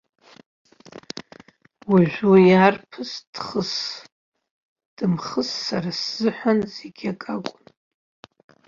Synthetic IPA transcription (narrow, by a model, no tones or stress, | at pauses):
wiʒᶣʷujarpʰɨsd̥χəs | d̥ɨmχəsːarasz̥ɨħʷanzeɡʲakʼakʷʼʊn